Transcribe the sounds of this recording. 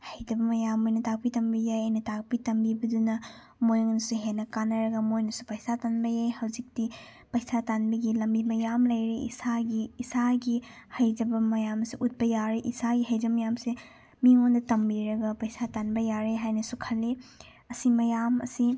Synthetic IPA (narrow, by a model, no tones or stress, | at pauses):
hɐjdɐbɐmɐjamojnɐtak̚pitɐmbijajɐnɐtak̚pitɐmbibɐdunɐ | mojŋnɐsuɦenɐkanɐɾɐɡɐmojnɐsupɐjsatanbɐjajhɐwzik̚ti | pɐjsatanbiɡilɐmbimɐjamlɐjɾiḭsaɡiːsaɡi | hɐjd͡ʒɐbɐmɐjamsiʔut̚bɐjaɾeʔisaɡiɦɐjd͡ʒɐbɐmɐjamse | miŋondɐtɐmbiɾɐɡɐpɐjsatanbɐjaɾeɦajnɐsukʰɐlːi | ɐsimɐjamɐ̰si